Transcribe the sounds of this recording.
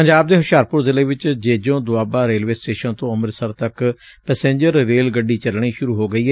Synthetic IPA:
pəɲd͡ʒaːb̚d̪eːɦʊʃjaːɾpʊɾzɪleːʋɪt͡ʃd͡ʒeːd͡ʒõːd̪ʊaːbaːɾeːlʋeːsʈeːʃənt̪õːəməɾsəɾt̪ək | pɛːsẽːɲd͡ʒəɾːeːlɡəɖːiːt͡ʃəlɳ̃iːʃʊɾuːɦoːɡəiːɦɛː

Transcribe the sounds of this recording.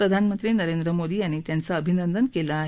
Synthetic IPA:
ɾəd̪ʱanmənt̪ɾiːnəɾend̪ɾəmod̪iːaɽ̃it̪jant͡saəbʱinənd̪ʱənkelaː

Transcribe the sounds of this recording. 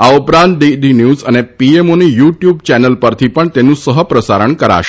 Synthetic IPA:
awpɾãnt̪̚ɖ̪iɖinjuːzənepiemonijuʈjuːb̚t͡ɕænəlpəɾt̪ʰiːpəɳt̪enːũːsəɦəpɾəsaɾəɳkəɾa̰ɕ

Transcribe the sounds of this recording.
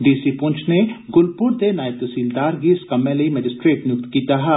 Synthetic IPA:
ɖiːsipʊ̃ɲt͡ʃʰneɡʊlpʊɾt̪enaːjɪb̚t̪ɐsiːld̪aːɾkiɪskɐmːẽlɐimɛd͡ʒɪsʈɾeːʈnjʊk̚t̪kiːt̪aɦa

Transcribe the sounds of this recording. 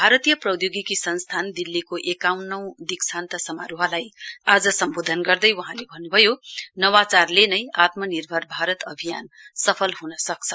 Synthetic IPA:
bʱaɾʌt̪ijʌprʌwjoɡikisʌnst̪ʰand̪ilːikoʔekawnːʌw̃d̪iksant̪ʌsʌmaɾuɦʌlajad͡zʌsʌmbod̪ʱʌnɡʌrd̪ʌjwʌɦãlebʱʌnːubʱʌjonʌwat͡sarlenʌjat̪mʌnirbʱʌrbʱaɾʌt̪ʌbʱija̰n | sʌpʰʌlɦunʌsʌkt͡sʰʌ̥

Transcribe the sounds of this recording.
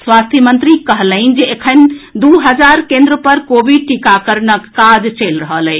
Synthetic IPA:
swast̪ʰimənt̪ɾikəɦləɪnd͡ʒeekʰənd̪uɦəd͡ʒaɾkẽnd̪ɾəpəɾkobʱiɖ̚ʈikakəɾnəkːad͡ʒt͡ʃəlɾəɦələ

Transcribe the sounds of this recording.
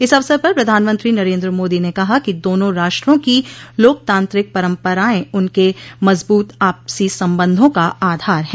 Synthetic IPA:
ɪsɐʋsəɾpɐɾpɾɐd̪ʱaːnmə̃nt̪ɾinɐɾẽːnd̪ɾəmoːd̪inekɐɦakid̪oːnõɾaːʃʈɾõkiloːk̚t̪ãːnt̪ɾɪk̚pɐɾə̃mpəɾaːẽʊnkemɐzbuːt̪aːpsisɐ̃mbə̃nd̪ʱõkaaːd̪ʱaːɾɦɛ̃

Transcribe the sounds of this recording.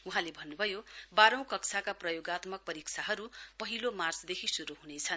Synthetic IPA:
uɦãlebʱʌnːubʱʌjobaɾʌ̃w̃kʌksʰakaprʌjoɡat̪mʌk̚pʌɾikt͡sʰaɦʌɾupʌɦilomart͡sd̪ekʰisuɾuɦunet͡sʰʌn

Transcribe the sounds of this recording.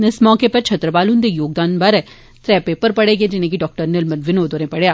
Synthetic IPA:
ɪsmɔːkepɐɾt͡ʃʰɐt̪ɾəbaːlũnd̪ejoːɡ̚d̪aːnbɐɾɛ | t̪ɾɛːpeːpəɾpɐɽeɡed͡ʒɪnẽɡiɖɔːk̚ʈəɾnɪlmɐnʋɪnoːd̪oɾẽpɐɽejaː

